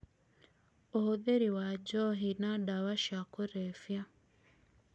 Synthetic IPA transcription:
ohoðeɾiwad͡ʒɔɦinaɗawaʃjakoɾɛfja

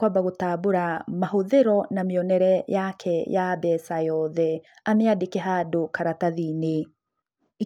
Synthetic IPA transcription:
wabaɣotaːboɾamaɦoðeɾɔnameɔnɛɾɛjakʰɛjabɛsajɔðɛ | ameadekeɦadokaɾataðine | i

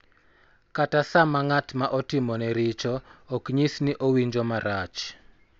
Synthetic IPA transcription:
katasamaŋatmaʔɔtɪmɔnɛɾit͡ʃɔːkɲisniʔowiɲd͡ʒɔmaɾat͡ʃ

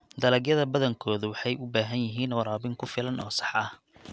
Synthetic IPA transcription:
d̪ɐlɐɡjɐðɐbɐðɐŋkʰɔːðʊwɑħɑjʔʊbaːɦɐnjɐɦiːnwɾaːbɪŋkʰʊfɪlɐnʔɔːsɑ̥ħɐ

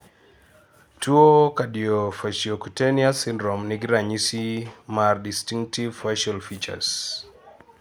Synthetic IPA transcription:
tuokadiofasiokuteniasindɾɔmnɪɡɾaɲisimardistiŋk̚tivfaʃalfit͡ʃa̰s

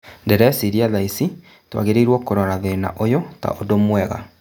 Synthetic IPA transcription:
ndɛɾɛsiɾiaðaisi | twa̰ɣeɾeiɾwɔkoɾɔɾaðena̰ʔojɔta̰ʔodomwɛɣa̰

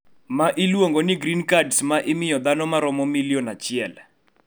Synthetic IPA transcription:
maʔɪlwoŋɡonɪɡɾinkadsmaʔɪmɪjɔd̪anɔmaɾɔmɔmiljonat͡ʃɪɛl

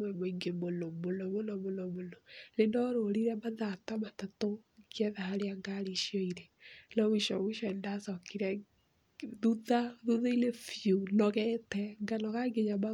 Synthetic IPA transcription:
mwɛmɔiŋɡemolomolomolomolomololendɔɾoɾiɾɛmaðatamatatokiɛðahaɾeaŋɡaɾiʃjɔiɾe | lɔwiʃɔwiʃɔɛndasɔkiɾɛ | ðuðaðuðailefjunɔɣɛtɛŋɡanɔɣaɡeɲama

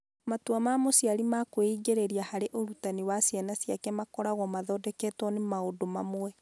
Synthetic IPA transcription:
matwamamosiaɾimakwiɡeɾeɾiahaɾeʔoɾutaniwasjanasjakɛmakɔɾaɣɔmaðɔdɛkɛtwɔnemaodomamoɛ

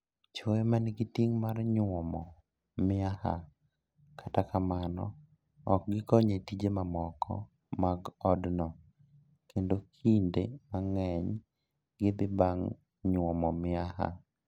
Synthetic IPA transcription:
t͡ʃɔɛmanɪɡɪtiŋmarɲwɔmɔ | mɪaha̰ | kʰatakamanɔ̰ | ɔk̚ɡɪkɔɲetid͡ʒemamɔkʰɔ̰ | maɡɔdnɔ | kendokʰindemaŋɛɲ | ɡɪbɪbaŋ | ɲwɔmɔmɪaha̰

